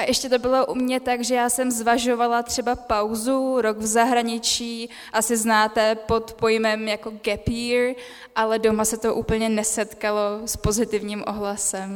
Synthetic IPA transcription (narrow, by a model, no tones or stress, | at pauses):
ʔaʔɛʃcɛt̪o̞bɪlo̞ʔumɲɛt̪aɡʒɛjaːsɛmzvaʒo̞valat̪r̝̥ɛbapawzuɾoɡvzaɦɾaɲɪt͡ʃiː | ʔasɪznaːt̪ɛpo̞t̪po̞jmɛmjako̞ɡɛpiɾ | ʔalɛdo̞masɛt̪o̞ʔuːpl̩ɲɛnɛsɛt̪kalo̞spo̞zɪt̪ɪvɲiːmʔoɦlasɛm